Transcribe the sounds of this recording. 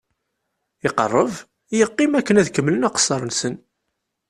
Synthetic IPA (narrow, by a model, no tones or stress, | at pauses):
ɪqə̰rˤːəv | jəqːɪmækːənæðkəmːlənɑqə̥sːɑɾˤənsən